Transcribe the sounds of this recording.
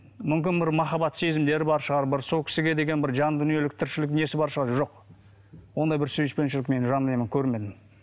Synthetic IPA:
mʏmkʲɪnbɪɾmɑχɑbɑt̪se̞zɪmd̪e̞ɾɪbɑɾʃəʁɑɾbɪɾso̞lˠkʲɪ̥sɪɡʲe̞d̪e̞ɡʲe̞nbɪɾʒɑnd̪ʏnije̞lɪk̚t̪ʰɪɾʃɪlɪkne̞sɪbɑɾʃəʁɑɾʒo̞q | wo̞nd̪ɑjbɪɾsɵjɪʃpe̞nʃɪlɪkme̞nʒɑnːemɪŋkʲʰɵɾme̞d̪ɪm

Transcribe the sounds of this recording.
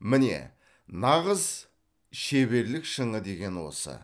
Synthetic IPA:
mɪne̞̰ | nɑʁəz | ʃe̞βe̞ɾlɪkʃəɴəd̪e̞ɡʲe̞nwo̞̰sə̰

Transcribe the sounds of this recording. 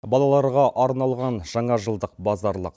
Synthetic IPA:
bɑlˠɑlˠɑɾʁɑʔɑɾnɑlˠʁɑnʒ̥ɑɴɑʒəlˠd̪əq̚bɑzɑɾlˠəq

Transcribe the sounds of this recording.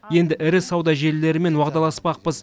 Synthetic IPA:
je̞nd̪ɪʔɪɾɪsɑwd̪ɑʒe̞ɾle̞ɾɪme̞nwɑʁd̪ɑlˠɑspɑq̚pəz

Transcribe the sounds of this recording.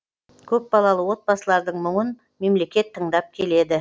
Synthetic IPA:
kʲʰɵp̚bɑlˠɑlˠəwo̞t̪̚bɑsəlˠɑɾd̪əɴmʊɴən | me̞mle̞kʲe̞t̪ʰːəɴd̪ɑp̚kʲʰe̞le̞d̪ɪ

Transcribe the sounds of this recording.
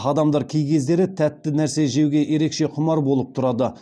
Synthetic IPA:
ɑd̪ɑmd̪ɑɾkʲʰejkʲe̞zd̪e̞ɾɪt̪ʰæt̪ːɪnæɾse̞ʒe̞wɡʲe̞ʔeɾe̞kʃe̞qʰʊmɑɾbolˠəp̚t̪ʰʊɾɑd̪ə

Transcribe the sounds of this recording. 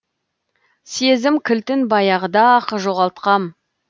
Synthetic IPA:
sezɪmkʲʰɪlt̪ɪnbɑjɑʁəd̪ɑːqəʒo̞ʁɑlˠt̪̚qɑm

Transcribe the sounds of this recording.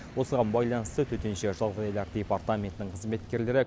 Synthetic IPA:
wo̞səʁɑnbɑjlˠɑnəst̪ət̪ʰɵt̪enʃeʒɑlˠʁlˠɑɾd̪ʲepart̪amʲe̞nt̪ɪnɪɴqʰəzme̞t̪kʲe̞ɾle̞ɾɪ

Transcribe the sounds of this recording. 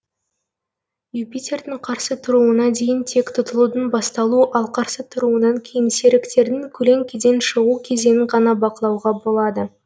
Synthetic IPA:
jupit̪ʲe̞rd̪ɪɴqʰɑɾsət̪ʰʊɾuənɑd̪e̞jɪnt̪ʰe̞kt̪ʰʊt̪əlˠud̪ənbɑst̪ɑlˠuʔɑlˠqʰɑɾsət̪ʰʊɾuənɑŋkʲʰejɪnse̞ɾɪkt̪e̞ɾd̪ɪŋkʲʰɵle̞ŋkʲʰed̪e̞nʃəʁukʲʰe̞ze̞nɪŋʁɑnɑbɑqəlˠɑwʁɑbo̞lˠɑd̪ə

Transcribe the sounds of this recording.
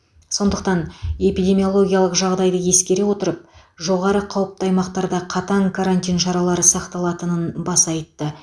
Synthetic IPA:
so̞nd̪əq̚t̪ɑne̞pijd̪ʲe̞mʲijo̞lˠo̞ɡʲijalˠəqʒɑʁd̪ɑjd̪əje̞skʲe̞ɾe̞wo̞t̪əɾəp̚ | ʒo̞ʁɑɾəqʰɑwəp̚t̪ɑjmɑqt̪ɑɾd̪ɑqʰɑt̪ɑŋkʰaɾanʲt̪ʲijnʃɑɾɑlˠɑɾəsɑqt̪ɑlˠɑt̪ənənbɑsɑjt̪ːə

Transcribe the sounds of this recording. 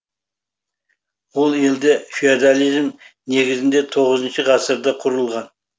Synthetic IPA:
wolˠe̞ld̪e̞fiad̪alʲˠijzmne̞ɡʲɪzɪnd̪e̞t̪ʰo̞ʁəzənʃɪʁɑsəɾd̪ɑqʰʊɾəlˠʁɑn

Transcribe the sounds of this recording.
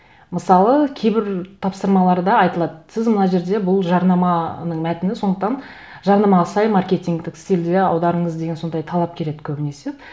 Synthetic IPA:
məsɑlˠəkʲʰe̞jbɪɾt̪ʰɑpsəɾmɑlˠɑɾd̪ɑːjt̪əlˠɑd̪əsɪzmənɑʒe̞ɾd̪e̞bʊlˠʒɑɾnɑmɑnəɴmæt̪ɪnɪso̞nd̪əq̚t̪ɑn | ʒɑɾnɑmɑʁɑsɑjmarkʲe̞t̪ʲiŋɡt̪ɪkst̪ʲild̪eɑwd̪ɑɾəɴəzd̪e̞ɡʲe̞nso̞nd̪ɑjt̪ʰɑlˠɑp̚kʲʰe̞ɾe̞d̪ɪ̥kʲʰɵbɪne̞sɪz

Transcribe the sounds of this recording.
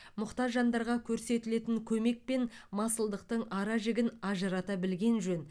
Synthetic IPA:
mʊqt̪ɑʒɑnd̪ɑɾʁɑkʲʰɵɾse̞t̪ɪle̞t̪ɪŋkʲʰɵme̞k̚pe̞nmɑsəlˠd̪əq̚t̪əɴɑɾɑʒɪɡʲɪnɑʒəɾɑt̪ɑbɪlɡʲe̞nʒɵn

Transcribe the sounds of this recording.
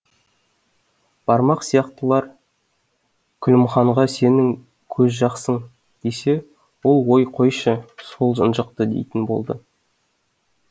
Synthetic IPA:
b̥ɑɾmɑqsijɑqt̪əlˠɑɾ | kʲʰʏlɪmχɑɴʁɑse̞nɪŋ | kʲʰɵzʒɑqsəɴ | d̪̥ese̞ | wo̞lˠwo̞jqʰo̞jʃəso̞lˠʒənʒəq̚t̪əd̪e̞̰jt̪ɪnbo̞̰lˠd̪ə

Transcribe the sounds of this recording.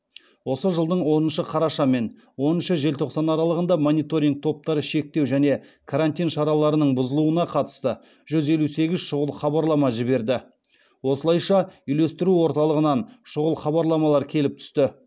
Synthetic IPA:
wo̞səʒəlˠd̪əɴwo̞nənʃəqʰɑɾɑʃɑme̞n | wo̞nənʃəʒe̞lt̪ʰo̞qsɑnɑɾɑlˠəʁənd̪ɑmonʲit̪o̞ɾiŋɡ̚t̪ʰo̞p̚t̪ɑɾəʃe̞k̚t̪e̞wʒæne̞kʰaɾanʲt̪ʲijnʃɑɾɑlˠɑɾənəɴbʊzəlˠuənɑqʰɑt̪ə̥st̪ə | ʒ̥ʏze̞luse̞ɡʲɪzʃʊʁəlˠχɑbɑɾlˠɑmɑʒɪbe̞ɾd̪ɪ | wo̞səlˠɑjʃɑʏjle̞st̪ɪɾuwo̞ɾt̪ɑlˠəʁənɑnʃʊʁəlˠχɑβɑɾlˠɑmɑlˠɑɾkʲʰe̞lɪp̚t̪ʰʏ̥st̪ɪ

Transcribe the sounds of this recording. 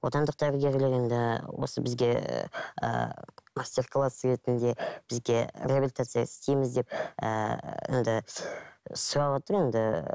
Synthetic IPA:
wo̞t̪ɑnd̪əq̚d̪ɑɾəɡʲe̞ɾʲlɪɾend̪ɪwo̞̰səbɪzɡʲe̞ | ə̰mast̪ʲe̞rklˠasːəɾe̞t̪ɪnd̪e̞b̥ɪzɡʲe̞ɾʲebʲɪlʲit̪at̪sɨjaɪst̪ʰe̞jmɪzd̪e̞pə̰end̪ɪ | sʊɾɑwot̪əɾe̞nd̪ɪ

